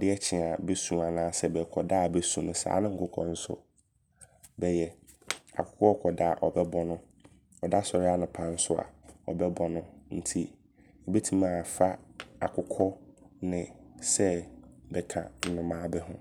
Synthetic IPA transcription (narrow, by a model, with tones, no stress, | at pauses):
dɪ˦ɛ˦t͡ɕʰɪ˨a˨bɛ˦sũ˨a˨nãː˦sɛ˦bɛ˨kʰɔ˨da˦˨bɛ˦sũ˨nʊ̃˨sa̰ː˨˦nʊ̃˦ŋ̩˦kʊ˦kʰɔ̰˨n̩˦sʊ̰˦˨ | bɛ˨jɛ˨ | a̰˨kʰʊ̥˦kʰɔ˦ɔ˦kʰɔ˨da˦˨ʔɔ˨bɛ˦bɔ˦nʊ̃˦ | ɔ˨da˦sɔ˨ɾɪ˦a˦nʊ̃˨pʰã˨n̩˦sʊ˦a̰˨ɔ˨bɛ˦bɔ̃˨nʊ̃˦n̩˦tʰi˦˨ | be˦tʰĩ˦mã˦˨fa˦a̰˨kʰʊ˦kʰɔ˦nɪ̃˨sɛ˦bɛ˨kʰã̰˨n̩˦nʊ̃˦mãː˦bɛ˦ɦʊ̰̃˦